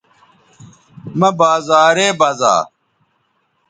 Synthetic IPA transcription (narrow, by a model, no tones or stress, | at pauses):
mɐbaːzaːɾeːbaːza̰ː